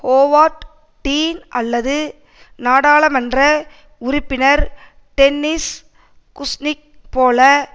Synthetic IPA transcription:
hoːʋaːʈ | ʈiːnɐlːɐðɯ | naːɽaːɭɐmɐndrɐ | ʊɾɪpːɪnɐɾ | ʈɛnːɪs | kʊsnɪk̚poːlɐ

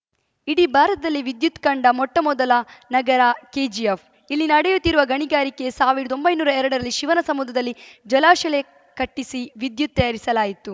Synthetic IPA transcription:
iɽibʱaːɾɐt̪ɐd̪ɐlːiʋid̪jut̪kɐɳɖɐmɔʈːɐmɔd̪ɐlɐnɐɡɐɾakeːd͡ʒief | ilːinɐɽɛjut̪ːiɾuʋɐɡɐɳiɡaːɾike̞saːʋiɾɐd̪ombɐjnuːɾɐɛɾɐɽɐɾɐlːiʃiʋɐnɐsɐmud̪ʱːɐd̪ɐlːid͡ʒɐlaːʃɐle | kɐʈːisiʋid̪jut̪̚ːɐjaːɾisɐlaːjit̪u

